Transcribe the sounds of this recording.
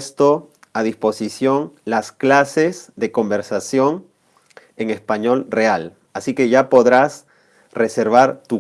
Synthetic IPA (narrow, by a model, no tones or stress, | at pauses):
st̪o̞ | aðisposisjo̞nlasklase̞zðe̞ko̞mbe̞ɾsasjo̞ŋ | e̞ŋe̞spaɲo̞lreal | asike̞ʝapo̞ðɾas | re̞se̞ɾβaɾt̪u